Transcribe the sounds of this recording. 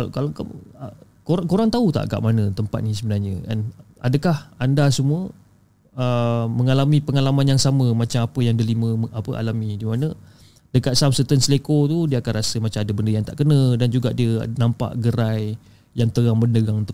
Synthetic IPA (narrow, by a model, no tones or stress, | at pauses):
lkalaka̰ | koɾaŋkoɾaŋt̪aut̪a̰ʔka̰ʔmanət̪əmpat̪̚nis̬əbənarɲəa̰n | a̰dəkahandasəmuə | əməŋalamĩpəŋalamanjaŋsaməmat͡ʃamapəjaŋdəliməəʔapəʔa̰lamidimanə | dəkat̪̚samsət̪ənsəlekot̪udiəakanrasəmat͡ʃamadəbəndəjaŋt̪aʔkənədand͡ʒuɡaʔdiənampa̰ʔɡəɾaj | jaŋt̪əɣaŋməndəɡaŋt̪